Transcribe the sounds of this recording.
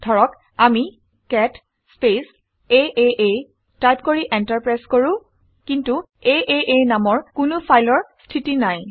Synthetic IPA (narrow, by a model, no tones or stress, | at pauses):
dʱɔɹɔk | ami | kɛt | spes | eʔeʔe | tajp̚koɹiʔɛntaɹpɹajskoɹʊ̃ | kintu | eʔeʔenamɔɹkʊnʊpʰajlɔɹstʰitinaj